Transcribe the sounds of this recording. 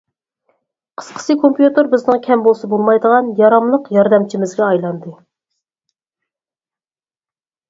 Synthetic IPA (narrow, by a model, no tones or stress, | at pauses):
qʰə̥sqʰə̥sɨkʰompjut̪ɨɾbɪznɨŋkʲʰɛmbolˠsɑbolˠmɑjd̪əʁɑnjɑɾɑmlˠəqjɑɾd̪ɛmt͡ʃʰimɪzɡʲɛɑjlˠɑnd̪ɨ